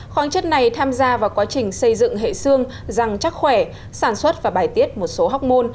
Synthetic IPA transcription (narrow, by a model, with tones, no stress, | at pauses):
xwaː˨˦nt͡ɕə˦˥t̚na˨˩jt̪ʰaː˧mzaː˧vaː˨˩wkwaː˨˦t͡ɕï˨˩ŋ̟sə˧jzɨ̰˧˨ŋɦḛ˧˨sɨ˧əŋ | za˨˩ŋt͡ɕa˦˥k̚xwɛ˧˩ | saː˧˩nswə˦˥t̚vaː˨˩ɓaː˧˩jt̪i˦˥ət̚mo˨˩t̚so˨˦ɦa˦˥wk͡p̚mo˧n